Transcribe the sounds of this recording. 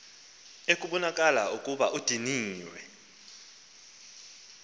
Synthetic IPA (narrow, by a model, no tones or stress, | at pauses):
ekʼuɓɔnakʼala̰ukʼuɓaʔud̥ʱiniːwɛ̰